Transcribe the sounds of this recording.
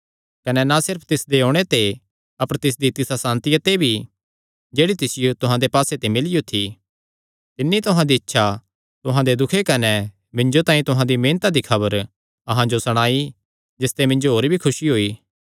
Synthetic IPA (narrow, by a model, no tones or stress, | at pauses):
kɐnɛnasɪɾpʰt̪ɪsd̪eɦoːɽ̃et̪e | ɐpəɾt̪ɪs̬d̪it̪ɪsasãːnt̪ɪjət̪ebʱi | d͡ʒeːɽit̪ɪsɪjot̪ʊɦãd̪epaːset̪emɪlijot̪ʰi | t̪ɪnːit̪ʊɦãd̪iɐtːʃʰa | t̪ʊɦãd̪ed̪ʊkʰekɐnɛ | mɪ̃nd͡ʒot̪ãːĩt̪ʊɦãd̪imẽːnt̪ad̪ikʰɐbəɾ | ɐɦãd͡ʒosɐɽ̃aːi | d͡ʒɪst̪emɪ̃nd͡ʒoɦoːɾbʱikʰʊʃiɦoːiː